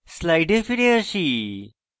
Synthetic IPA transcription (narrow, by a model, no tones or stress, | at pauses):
slajɖefiɾeəɕi